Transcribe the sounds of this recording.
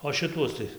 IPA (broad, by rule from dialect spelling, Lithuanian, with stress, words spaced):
oː ʃʲɪˈtuɔs tɐɪ